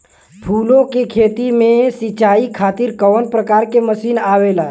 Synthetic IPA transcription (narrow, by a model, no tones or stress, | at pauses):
pʰulõkekʰet̪imẽsit͡ʃaikʰaːt̪iɾkɔʋnpɾəkaɾkeməsiːnaʋela